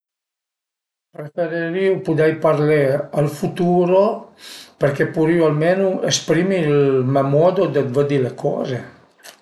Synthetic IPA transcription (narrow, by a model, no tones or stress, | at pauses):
pɾefeɾeɾiupud̪ɛjpaɾlealfut̪uːɾo | peɾkepuɾioalmenuespɾimilmamɔd̪od̪əd̪vəd̪ilekʰɔ̰ːze